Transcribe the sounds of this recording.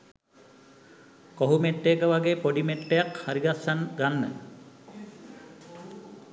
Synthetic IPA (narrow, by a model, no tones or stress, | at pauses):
koɦumeʈːekəʋaɡeːpoɖimeʈːejakhaɾiɡasːanɡanːə̰